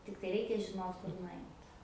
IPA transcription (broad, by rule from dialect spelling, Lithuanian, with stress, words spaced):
ˈtʲɪktɐɪ ˈrʲɛɪkʲɛ ʒʲɪˈnoːt kʊr nʊˈɐɪt